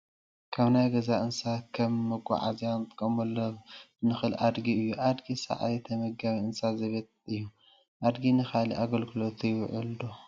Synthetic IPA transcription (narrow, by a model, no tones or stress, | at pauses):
kʰaβnajɡɐzaʔɨnsakʰɐmːɐɡʷʼa̰ʕa̰zjant̪ʼɨ̥kʼːɐmɐlːonɨxɨlʔad̪ɡiɨjːuʔad̪ɡisɐ̰ʕa̰jt̪ʰɐmɐɡaβiɨnsazɐβet̪ɨjːu | ʔad̪ɡinɨxaliʔaɡɐlɡɨlot̪ʰɨjwʕuld̪o